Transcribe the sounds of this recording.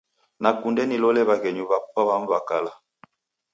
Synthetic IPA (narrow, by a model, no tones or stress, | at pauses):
nakundɛnilɔlɛβakɛɲuβapaβaɱ̩vakala